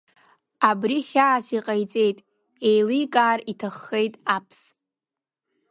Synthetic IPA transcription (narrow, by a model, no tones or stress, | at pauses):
abriχʲaːsiqʼajt͡sʼe̞jtʼ | e̞jlijkʼaːritʰaχːe̞jtʼapʰs